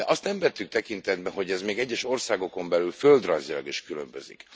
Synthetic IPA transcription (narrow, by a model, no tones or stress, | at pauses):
ɛʔɒst̪nɛɱvɛt̪ːykt̪ɛkint̪ɛd̪̚bɛɦo̞ɟɛzmeːɡɛɟːɛʃo̞rsaːɡo̞ko̞mbɛlylføld̪rɒnzilɒ̰ɡiʃkylø̰mbø̰zḭk